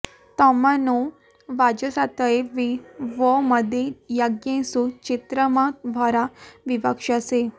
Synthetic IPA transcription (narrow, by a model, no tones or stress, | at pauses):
t̪ɔmanu | ʋad͡ʑəsat̪əeʋiʋɔməd̪ʱejaɡjẽsut͡ɕit̪ɾəmabʱaɾaʋiʋəkʂəse